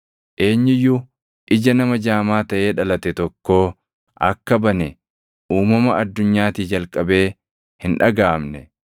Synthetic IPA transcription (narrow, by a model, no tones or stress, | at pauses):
ʔe̞ːɲːɪjːʊ | ʔɪd͡ʒɐnɐmɐd͡ʒaːmaːt̪ɐʔe̞ːᶑɐlɐt̪ɛt̪ɔkːo̞ː | ʔɐ̰kːɐbɐnɛ | uːmɐmɐɐd̪ːʊɲːaːt̪iːd͡ʒɐlkʼɐbe̞ː | hɪnᶑɐɡaːmnɛ